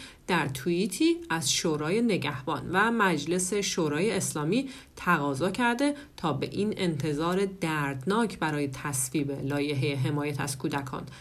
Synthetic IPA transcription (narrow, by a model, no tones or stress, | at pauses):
d̪̥æɾt̪ʰuiːt̪ʰiːæzʃoːɾɒːje̞ne̞ɟæhb̥ɒːnvæmæd͡ʒle̞se̞ʃoːɾɒːjeːslɒːmiː | t̪ʰæɣɒːzɒːcʰæɾd̪e̞ | t̪ʰɒːbe̞̰ʔiːne̞nt̪ʰe̞zɒːɾe̞d̪æɾd̪nɒːcʰbæɾɒːje̞t̪ʰæsviːbe̞lɒːje̞ɦejeɦe̞mɒːjæt̪ʰæ̰z̥kʰuːd̪ækʰɒ̰ːn